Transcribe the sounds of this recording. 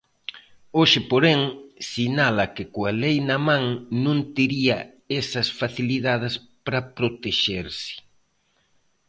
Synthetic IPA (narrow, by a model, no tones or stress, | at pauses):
oʃɪpoɾeŋsinalɐkɪkoalejnɐmãŋnõŋt̪eɾiɐ | ɛsɐsfaθiliðað̞ɪspɾɐpɾot̪eʃeɾsɪ̥